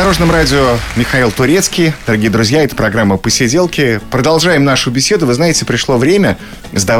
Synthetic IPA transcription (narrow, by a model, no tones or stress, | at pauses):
ɐɾo̞ʐnəmɾadʲɪomʲɪxailˠt̪ʊɾʲet̪skʲɪjd̪̥əɾɐɡʲijəd̪ɾʊzʲjaɛt̪ə̥pɾɐɡɾamːəpəsʲɪdʲe̞lˠkʲɪpɾəd̪ɐlˠʐajɪmnaʂʊbʲɪsʲe̞d̪ʊvɨznajɪtʲɪpɾʲɪʂlˠovɾʲemʲə | zd̪ɐ